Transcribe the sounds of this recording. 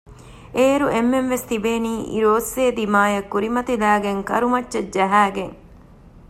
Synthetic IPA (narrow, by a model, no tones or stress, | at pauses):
eːɾuʔemːenʋest̪ibeːniːʔḭɾoːsːeːd̪imaːjɐkːuɾimɐt̪ilæːɡeŋkɐ̰ɾumɐtːʃɐd͡ʒɐɦæːɡeŋ